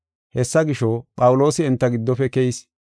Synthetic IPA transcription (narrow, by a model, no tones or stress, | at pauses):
hɛsːɐɡɪʃɔpʼɐwʊlo̞ːsɪɪnt̪ːɐɡɪd̪ːɔfɛkɛjis